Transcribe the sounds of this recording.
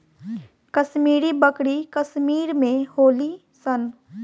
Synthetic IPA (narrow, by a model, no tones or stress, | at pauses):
kɐʃmiːɾibəkɽikɐʃmiːɾmẽhoːli | sən